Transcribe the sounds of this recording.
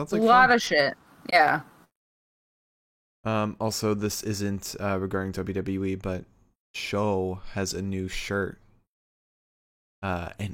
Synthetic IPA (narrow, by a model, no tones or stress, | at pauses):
ãʊ̃nzllɑɾɨʃɪt̚ | jæ | ʌ̃mɔlˠsoʊðɪsɪzɨ̃ntʌɹɨɡɑɹɾɪ̃ŋtʰəbiɾdʌbl̩ʉwibʌt̚ | ʃoʊɨzɨnʉʃɜ˞t̚ | ʌɨ̃n